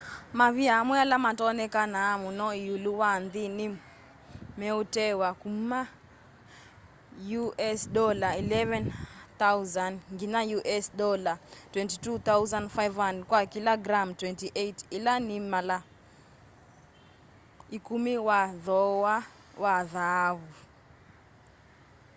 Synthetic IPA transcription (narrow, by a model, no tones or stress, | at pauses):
maviamwɛalamatɔnɛkanaːmunɔiuluwandini | mɛutɛwakuma | juʔɛsɗɔlailɛvɛnt̪awzandŋɡinajuʔɛsɗɔlatwɛ̃ntitut̪awzãnfajvandkwakilaɡɾamtwɛntiʔetilanimala | ikumiwaðɔwa | waðaβu